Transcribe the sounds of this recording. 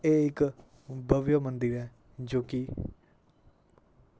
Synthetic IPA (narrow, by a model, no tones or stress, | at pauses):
eːɪk | bəʋjəmənd̪ɪɾɛː | d͡ʒoːkɪ